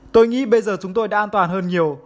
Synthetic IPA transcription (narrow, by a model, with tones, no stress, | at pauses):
t̪o˧jŋḭ˧˥ɓə˧jzəː˨˩t͡ɕʊ˨˦ŋ͡mt̪o˧jɗa̰ː˧˥ʔaː˧nt̪waː˨˩nɦəː˧nɲi˨˩əw